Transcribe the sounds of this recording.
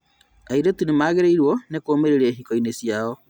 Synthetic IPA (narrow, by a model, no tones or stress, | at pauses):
aiɾetunemaːɣeɾeiɾwɔnekoːmeɾeɾeɦikɔinesjaɔ